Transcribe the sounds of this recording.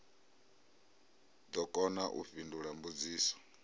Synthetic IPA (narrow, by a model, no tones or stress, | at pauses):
d̪ɔkʼɔnaʔṵfinduɺambud͡ziːsɔ̥